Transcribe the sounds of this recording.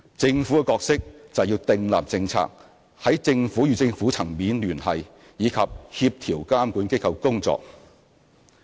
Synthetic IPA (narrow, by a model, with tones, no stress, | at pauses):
t͡sɪ˧ŋfu˨˥kɛ˨˧kɔː˧k̚sɪ˥k̚t͡sɐ˨wjiː˧wt̪ɪ˨ŋla̰ː˨p̚t͡sɪ˧ŋt͡sʰa̰ː˧k̚ | hɐ˨˥jt͡sɪ˧ŋfuː˨˥ɥyː˨t͡sɪ˧ŋfu˨˥t͡sʰɐ˨˩ŋmiː˨˥nlyː˨˩nhɐ˨j | jiː˨˧kʰɐ˨p̚hi˧p̚t̪ʰiː˨˩wkaː˥mkuː˨˥nke˥kʰɐ˧wkʊ˥ŋt͡sɔ̰ː˧k̚